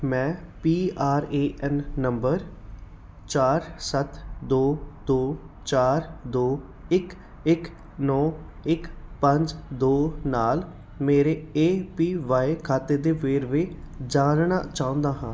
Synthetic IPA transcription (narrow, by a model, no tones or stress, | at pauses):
mɛ̃ːpiːaːɾeːʔɛnːəmbəɾ | t͡ʃaːɾsət̪d̪oːd̪oː | t͡ʃaːɾd̪oː | ɪk | ɪk | nɔːɪkpəɲd͡ʒd̪oːnaːl | meːɾeːeːpiːʋaːekʰaːt̪eːd̪eːʋeːɾʋe | d͡ʒaːnɳaːt͡ʃaːʊ̃nd̪aːɦãː